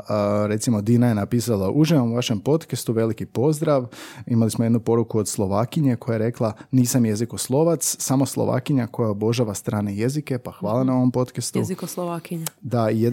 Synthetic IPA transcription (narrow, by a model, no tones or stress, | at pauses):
ɾe̞t̪simo̞d̪inajenapiːsalaʔuʒiʋomuʋaʃe̞mpo̞t̪kest̪uʋe̞likipo̞zd̪ɾaʋimalismoje̞d̪nupo̞ɾukuod̪slˠo̞ʋaːkiɲe̞kʰo̞jajeɾe̞klˠaniːsamje̞ziko̞slˠo̞ʋat̪ssamo̞slˠo̰ʋa̰kiɲako̞jaobo̞ʒaʋast̪ɾaːne̞je̞zike̞paxʋaːlˠanao̞ʋompo̞t̪kest̪ukoslˠoʋakiɲd̪aije